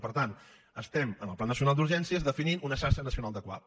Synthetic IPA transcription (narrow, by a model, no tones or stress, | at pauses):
pəɾt̪an | əst̪ɛmənəlˠplanːəsiunalˠd̪uɾʒɛnsiəzðəfininʔunəʃasənəsiunalˠd̪əkwa̰ð